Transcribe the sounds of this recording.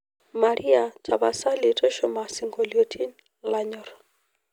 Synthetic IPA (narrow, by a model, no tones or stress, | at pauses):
maɾʔiatʰaβasalitɔʃɔmasiŋɡɔliotʰin | laɲɔɾ